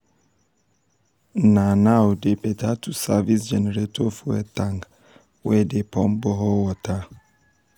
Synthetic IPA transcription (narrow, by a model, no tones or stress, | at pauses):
nãnawdebɛtʰatʰusavisd͡ʒɛnɛɾetʰɔfɛtʰãŋk | wɛdepʰɔ̃mbɔɦɔwɔtʰa